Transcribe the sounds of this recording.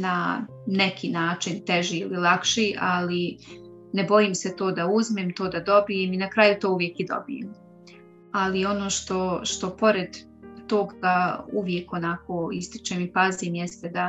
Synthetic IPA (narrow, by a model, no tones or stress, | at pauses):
na | ne̞kʰiːnaːt͡ʃint̪eʒiililˠakʃiʔali | ne̞bo̞jimset̪oːd̪auzmeːmt̪oːd̪ad̪o̞bijeːminakɾaːjut̪oːuʋje̞kid̪o̞̰bḭjḛm | alio̞no̞ːʃt̪o̞ʃt̪o̞po̞ɾed̪ː | o̞ːɡauʋje̞ko̞nako̞ːist̪i̥t͡ʃeːmipaziːmjɛst̪ed̪a